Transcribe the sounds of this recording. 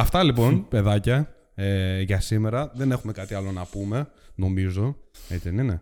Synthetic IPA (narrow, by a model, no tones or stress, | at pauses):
ɐft̪ɐlipo̞npe̞ðɐcɐ | eʝɐsime̞ɾɐðe̞ne̞xume̞kɐt̪iɐlo̞nɐpume̞no̞mizo̞et͡siðenine̞